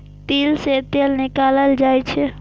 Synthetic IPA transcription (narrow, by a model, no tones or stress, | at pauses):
t̪elset̪elnikaləld͡ʒajt͡ʃʰɛ